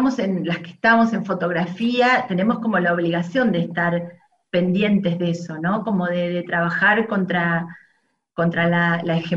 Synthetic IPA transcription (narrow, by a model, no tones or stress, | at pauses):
mo̞se̞nlaske̥ht̪amo̞se̞ɱfo̞t̪o̞ɣɾafiat̪e̞ne̞mosko̞mo̞laoβliɣasjo̞nd̪est̪aɾ | pe̞nd̪je̞nt̪e̞zðe̞so̞no̞ko̞mo̞ðeðet̪ɾaβ̞axaɾkont̪ɾa | ko̞nt̪ɾalalaexe